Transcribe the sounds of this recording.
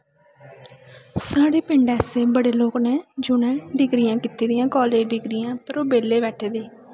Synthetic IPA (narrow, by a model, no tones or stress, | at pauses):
saːɽeːpɪ̃ɳɖɛːseːbəɽeːloːknɛːd͡ʒʊnɛ̃ːɖɪɡɾɪjãːkit̪eːd̪ɪjãːkɔːleːd͡ʒɖɪɡɾijãːpəɾoːbeːleːbɛːʈʰeːd̪eː